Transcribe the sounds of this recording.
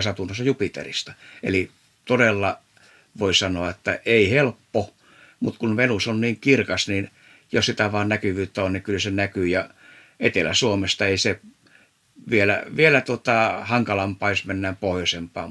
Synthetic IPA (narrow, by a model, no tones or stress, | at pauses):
sɑt̪unːosːɑjupit̪ḛrist̪ɑ̥ḛli | t̪odelːɑ | ʋoisɑnoɑet̪ːæʔeihelpːo | mut̪kunʋenusonniːŋkirkɑsnin | jossit̪æʋɑːnnækyʋyːt̪ːæonnikylsenækyːjɑ | et̪elæ̰suomest̪ɑeise | ʋielæ̰ʋielæt̪uot̪ɑhɑŋkɑlɑmpɑːjosmenːæːmpohjosempɑ̰ː